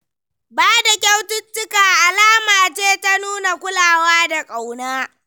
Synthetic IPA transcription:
baː˦da˨kʲa˦wtʊ˦tːʊ˦kaː˨ʔa˨laː˦maː˨t͡ʃeː˦ta˦nuː˦na˨kʷʊ˦laː˨waː˦da˨kʼa˨wnaː˦

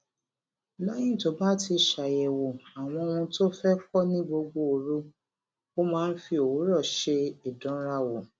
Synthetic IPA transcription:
la˦j̃ĩ˦˨to˨˦ba˦ti˧ʃa˨jɛ˨wo˨a˨w̃ɔ̃˧ũ˧to˦fɛ˦fɔ˦nĩ˦ɡ͡bo˧ɡ͡bo˧˨ɾu˦ | o˦mãː˦n̩˦fi˧o˨wo˨˦ɾɔ˦˨ʃe˧i˨dɔ̃˨˦ɾa˧wo˨

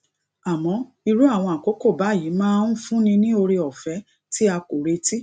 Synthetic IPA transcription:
a˨mɔ̃˨˦ | i˧ɾu˦a˦˨w̃ɔ̃˧a˨ko˨˦ko˦˨ba˨˦˨ji˨˦mãː˦˧ũ˦fũ˦nĩ˧nĩ˦o˧ɾe˧ɔ˨fɛ˨˦ | ti˦a˧ko˨ɾe˧ti˦

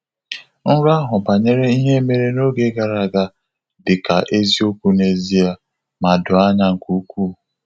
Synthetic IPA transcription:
n̩˦ɾa˦ɦʊ˨ba˨ɲe˦ɾe˦i˦ɦe˦me˦ɾe˦no˦ɡe˦ɡa˨ɾa˨ɡa˦ | dɪ˨ka˨ʔe˦zi˦o˦kʷu˦ne˨zi˦a˨ | ma˨dʊ˨a˦ɲa˦ŋ̩˨ku˦kʷu˦˨

